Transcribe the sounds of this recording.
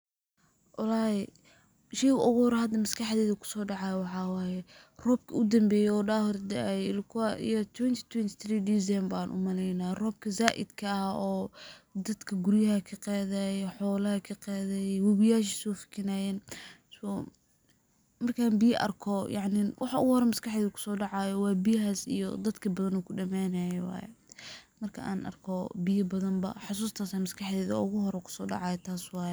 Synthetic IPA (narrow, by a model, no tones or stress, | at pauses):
wʔɑlɑːjɛ | ʃɛjɣʔɔɣɔːɾɐhɐd̪ɐmɐskʰɑħðɛːðɐkʰʊ̥sɔːɖɑʕɑjwɑħɑːwɑːjɛ | rɔːb̚kʰɐʊd̪ɐmbɛːjɛɔːɖaːhʊrd̪ɛjɪlkʰwḭjɔt̪ʰwɛnt̪ʰi̥t̪ʰwɛnt̪ʰɪθriːd̪izɛmbaːnʔʊ̰mɐlɛjnaːrɔːb̚kʰɐzaːʔɪ̰d̪kʰɐɐɔːd̪ɐd̪kʰɐɡʊɾjɐɦɐkʰɐqɑːðɛjħɔːlɐhɐkʰɐqɛːðɛːjɛwʊβɪjaːʃ̬isɔːfɪ̥kʰɪnaːjɛns | mɐrkʰaːnbɪjɐʔɐ̰rkʰɔjʔɑʕnɪwʔɑħɑʊ̰ɣʊhɔɾɛmɐskɑħðɛːðkʰʊ̥sɔːɖɑʕɑːjɔwɑːjbijɐɦaːsḭjɔ̰d̪ɐd̪kʰɐbɐðɐnɔːkʰʊɖɐmɛːnaːjɛwɑ̰ːjɛ̰mɐrkʰɐ̰ʔa̰ːnʔɐ̰rkʰɔbɪjɐbɐðɐmbɐ̰ħʊs̬uːst̪ʰaːsaːmɐskʰɑħðɛːðɐ̰ʊɣʊɦɔɾɛkʰʊ̥sɔːɖɑ̰ʕɑːjɛt̪ʰaːswɑːjɛ